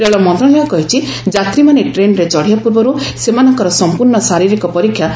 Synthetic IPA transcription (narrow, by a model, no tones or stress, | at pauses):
eɭɔmɔnt̪ɾɔɽeɔkɔɦit͡ʃʰid͡ʒat̪ɾimaneʈɾenɾet͡ʃɔɽ̤ijapuɾbɔɾusemanɔŋkɔɾɔsɔmpuɾɳɔsaɾiɾikɔpɔɾikʰːja